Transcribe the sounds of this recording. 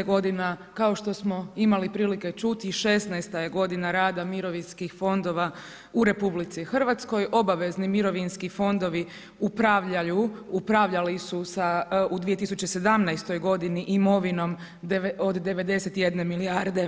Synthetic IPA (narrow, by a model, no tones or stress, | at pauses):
ɡo̞d̪inakao̞ʃt̪o̞smo̞imalipɾiːlike̞t͡ʃut̪iʃe̞snajst̪aje̞ɡo̞d̪inaɾaːd̪amiɾo̞ʋinskixfo̞nd̪o̞ʋa | uɾe̞publit̪sixr̩ʋat̪sko̞jʔo̞baʋe̞znimiɾo̞ʋinskifo̞nd̪o̞ʋi | upɾaʋʎajuupɾaʋʎalisusaud̪ʋije̞t̪isut͡ɕese̞d̪amnajst̪o̞jɡo̞d̪iniʔimo̞ʋino̞m | od̪ːe̞ʋe̞d̪e̞se̞t̪je̞d̪ne̞miliaɾd̪e̞